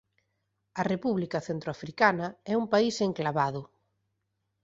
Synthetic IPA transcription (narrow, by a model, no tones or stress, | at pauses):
ɐrepuβlikɐθent̪ɾoafɾikanɐɛumpaiseŋklaβaðʊ